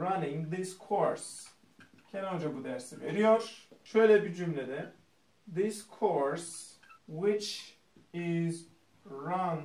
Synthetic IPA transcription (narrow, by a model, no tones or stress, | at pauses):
ɹanɪ̃ŋðɪskʰoɾs | cʰɛnond͡ʒabud̪æɾsiveɾijoɾ̥ʃøjlʲɛbid͡ʒymlʲɛd̪ɛ | ðɪskʰoɹs | wɪt͡ʃ | ɪz | ɹan